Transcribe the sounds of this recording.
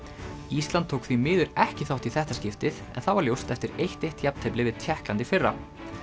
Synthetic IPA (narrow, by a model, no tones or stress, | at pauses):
ist̪lant̪ʰːowkθvimɪːðʏɾɛhcɪθawht̪iθɛht̪ascɪft̪ɪθɛ̰nθawvaɾljowst̪ɛft̪ɪɾejht̪ejht̪japnt̪ʰejplɪvɪðt̪ʰjɛhklant̪ɪfɪrːa̰